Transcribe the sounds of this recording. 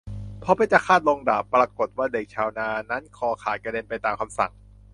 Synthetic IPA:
pʰɔː˧pa˧˥jt͡ɕa˨˩kʰaː˥˩t̪̚lo˧ŋdaː˨˩pːɾaː˧ko˨˩t̪̚waː˥˩de˨˩k̚t͡ɕʰaː˧wnaː˧na˦˥nkʰɔː˧kʰaː˨˩ka˧de˧npa˧jt̪aː˧mkʰa˧msa̰˨˩ŋ

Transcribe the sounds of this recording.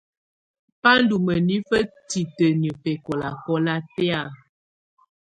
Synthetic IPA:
pa˦n̩˦du˨mə˨ni˦fə˦ti˨tə˨nə˨pɛ˨kɔ˨la˨kɔ˦la˦tɛ˦a˦˨

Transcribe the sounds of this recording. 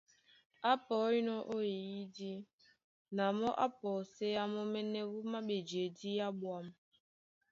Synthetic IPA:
a˦pɔ˨˦i˦nɔ˦ʔo˦e˨ji˦di˦ | na˨mɔ˦ʔa˦pɔː˨se˦ja˦mɔ˦mɛ˦nɛ˦wu˦ma˦ɓe˨d͡ʒe˨di˦ja˦ɓwa˦m˨˦

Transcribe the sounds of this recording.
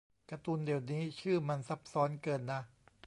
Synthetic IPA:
kɾa˧t̪u˧ndi˨˩əwniː˦˥t͡ɕʰɯː˥˩ma˧nsa˦˥p̚sɔː˦˥nkɤː˧nːa˦˥

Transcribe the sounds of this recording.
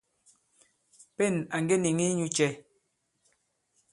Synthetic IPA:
pɛ˦˨na˨ŋɡe˦ni˨ŋi˦ɲu˦t͡ʃɛ˦

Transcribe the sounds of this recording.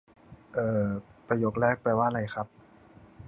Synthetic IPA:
ʔɤː˨˩pɾa˧joː˦˥k̚ɾɛː˥˩k̚pɛː˧˩waː˥˩ʔɾa˧jxʰa˦˥p̚

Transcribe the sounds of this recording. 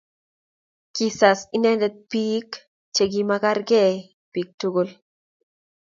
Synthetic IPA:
kisa˨si˦nɛ˦ndɛ˦t̪̚piː˦k | t͡ʃe˨ɡimaka˦ɾɡɛ˦ | pi˨k̚tuɡol

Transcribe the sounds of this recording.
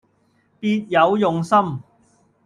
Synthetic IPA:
piː˧t̚jɐ˨˧wjʊ˨ŋsɐ˥m

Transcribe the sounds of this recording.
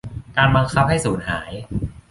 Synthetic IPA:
kaː˧nba˧ŋkʰa˦˥p̚ha˥˩jsuː˩˦nhaː˩˦j

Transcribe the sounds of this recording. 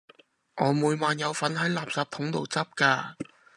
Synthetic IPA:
ŋɔː˨˧muː˨˧jmaː˨˧njɐ˨˧wfɐ˨˥nɦɐ˨˥jlaː˨p̚sɐː˨p̚t̪ʰʊ˨˥ŋt̪o˨wt͡sɐ˥p̚kaː˧

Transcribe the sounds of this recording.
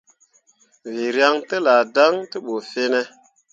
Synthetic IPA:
vi˨ɾja˦ŋtə˦la˨da˦ŋtə˦ɓo˨fe˦ne˦

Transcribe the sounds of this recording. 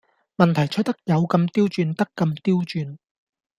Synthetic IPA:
mɐ˨nt̪ʰɐ˨˩jt͡ʃʰɵ˥t̚t̪ɐ˥k̚jɐ˨˧wkɐ˧mt̪iː˥wt͡ʃyː˧nt̪ɐ˥kːɐ˧mt̪iː˥wt͡ʃyː˧n

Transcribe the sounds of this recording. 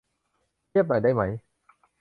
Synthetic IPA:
t̪i˥əp̚nɔ̰ː˨˩j̚ɗa˥˩jma˦˥j

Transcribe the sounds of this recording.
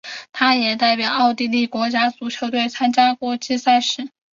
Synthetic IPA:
t̪ʰa˥jɛ˨˩t̪a˥˩ɪpjɑ˨˩ʊɑ˥˧ʊt̪i˥˧li˥˩kwɔ˧˥t͡ɕja˥t͡su˧˥t͡ɕʰjo˧˥ʊt̪we˥˩ɪt͡sʰa˥nt͡ɕja˥kwɔ˧˥˩t͡ɕi˥sa˥˧ɪʂɻ̩˧˥

